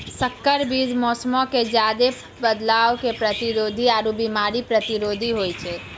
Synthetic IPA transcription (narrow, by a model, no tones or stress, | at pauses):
səkːəɾbid͡ʒmɔːsmɔked͡ʒjaːd̪e | bəd̪laːʋkepɾət̪iɾoːd̪ʱiaːɾubimaːɾipɾət̪iɾoːd̪ʱiɦojt͡ʃʰe